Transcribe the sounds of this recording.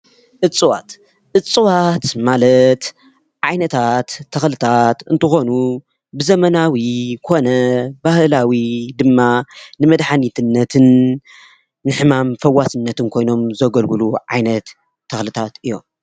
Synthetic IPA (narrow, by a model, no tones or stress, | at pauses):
ʔɨt͡sʼɨwa̰t̪ | ʔɨt͡sʼːɨwat̪malɐt̪ | ʕajnɐt̪ʰat̪ʰːɐxlɨt̪ʰat̪ɨnt̪ʰɨxo̞nu | bɨzɐmɐnawikʰo̞nɐbahlawid̪ɨmːanɨmɐd̪ħanit̪ʰɨnːɐt̪ʰɨn | ɨħɨmamfɐwːasɨnːɐt̪ɨnkʰo̞jno̞mzɐɡɐlɡɨluʕa̰jnɐt̪ʰː | ɐxlɨt̪ʰat̪ɨjːo̞̰m